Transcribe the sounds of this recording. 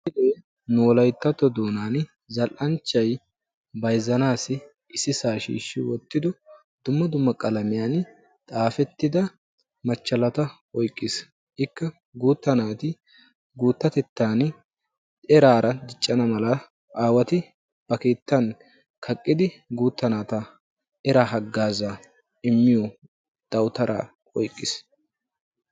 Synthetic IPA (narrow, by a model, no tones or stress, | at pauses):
ɪd̪eː | nʊwɔlɐjt̪ːɐt̪ːɔd̪oːnaːn | zɐlʔɐnt͡ʃːɐj | bɐjzɐnaːsɪ | ʔɪsɪsaːʃḭːʃːɪwɔt̪ːɪd̪ɔ | d̪̥ʊmːɐd̪ʊmːɐkʼɐlɐmɪjaːn | t̪ʼaːfɛt̪ːɪd̪ɐ | mɐt͡ʃːɐlɐt̪ɐ | ɔjkʼːɪs | ʔɪkːɐ | ɡuːt̪ːɐnaːt̪ɪ | ɡuːt̪ːɐt̪ɛt̪ːaːn | ɛɾaːɾɐd̪ɪt͡ʃʼːɐnɐmɐlɐ | ʔaːwɐt̪ɪ | b̥ɐke̞ːt̪ːɐn | kʰɐkʼːɪd̪ɪɡuːt̪ːɐnaːt̪ɐ | ʔɛɾaːɦɐɡːaːza | ɪmːɪjɔ | d̪̥ɐwt̪ɐɾʔa̰ː | ɔjkʼːɪs